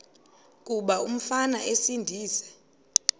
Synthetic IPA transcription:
k̬ʼuɓaum̩fanaʔesindʱiːsɛ̥

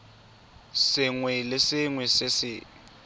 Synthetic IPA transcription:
sɪŋwɛlɪsɪŋwɛsɪsɪ̰

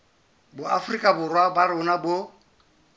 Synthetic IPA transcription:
bʊafrikʼabʊrwabaɾʊnabo

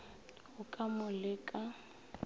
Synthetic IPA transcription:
ʊkʼamʊlɪkʼa

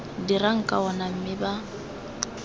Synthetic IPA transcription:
diraŋ̩kʼaɔnam̩mɪba

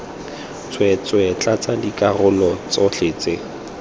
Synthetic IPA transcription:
t͡swɛt͡swɛt͡ɬʼat͡sadikʼarʊlɔt͡sɔɬeːt͡sɪ

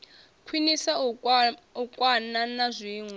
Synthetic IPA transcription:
kʰwinisa | ukʼwananazʷiːŋwɛ

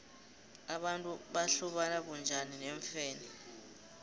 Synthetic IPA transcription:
aɓantʼuɓaɬuɓanak̬und͡ʒʱanineɱfɛːni

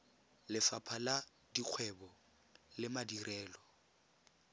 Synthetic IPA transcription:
lɪfapʰala | diq͡χʰwɛbɔ | lɪmadirʔɛːlɔ

